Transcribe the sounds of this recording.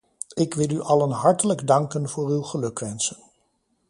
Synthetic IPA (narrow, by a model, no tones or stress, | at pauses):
ɪkʋɪlˠyʔɑlənɦɑɹtələɡdɑŋkənv̥ʊːrywχəlɵkʋɛnsən